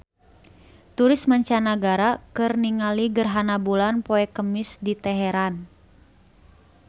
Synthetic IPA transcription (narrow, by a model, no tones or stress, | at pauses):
t̪uɾɪsmaɲt͡ʃanaɡaɾakɨrniŋaliɡərɦanabulanpɔɛkəmɪsdit̪ɛɦɛɾan